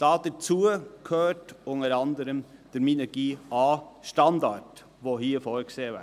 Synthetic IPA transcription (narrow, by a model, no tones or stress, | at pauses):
d̥ɑːd̥əɾt͡suəkʰhøːtʊnəɾɑndəɾəmd̥əɾminɛɡ̥iːʔɑːʃtɑndɑɹt | ʋoːɦiːəfɔːɾkseːvæ̰